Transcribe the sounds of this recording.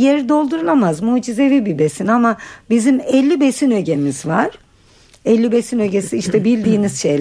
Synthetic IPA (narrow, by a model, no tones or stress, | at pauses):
jeɾid̪o̞lˠd̪uɾulˠamazmuːd͡ʒize̞vibibe̞sinamabizimɛlʲːibe̞sinø̞ɟe̞mizvaɾ̥ | ɛlʲːibesinø̞ɟesiiʃt̪ʰɛbilʲd̪iːniz̥ʃejlʲ